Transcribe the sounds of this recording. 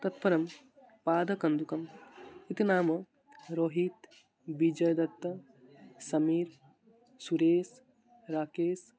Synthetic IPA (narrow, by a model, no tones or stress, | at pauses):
t̪ɐt̪pɐɾɐm | paːd̪ʱɐkɐnd̪ukɐmit̪inaːmɐ | ɾoːɦit̪ | bid͡ʒɐjd̪ɐt̪ːɐ | sɐmiːɾ | suɾeːs | ɾaːkeːs